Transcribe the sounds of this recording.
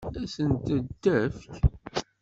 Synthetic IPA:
æsənt̪əd̪ːæfk

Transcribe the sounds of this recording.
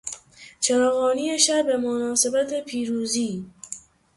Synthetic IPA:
t͡ʃʰæɾɒːɣɔːnijeʃæbemonɒːsebæt̪ʰepʰiːɾuːziː

